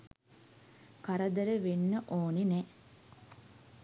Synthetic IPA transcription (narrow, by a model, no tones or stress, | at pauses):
kaɾəd̪əɾəʋenːəʔoːninɛ